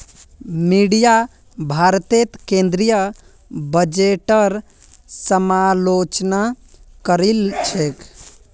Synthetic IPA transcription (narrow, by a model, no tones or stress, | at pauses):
miɖija | bʱaɾt̪et̪kẽnd̪ɾijə | bəd͡ʒeʈəɾ | səmalot͡ʃna | kəɾilt͡ʃʰek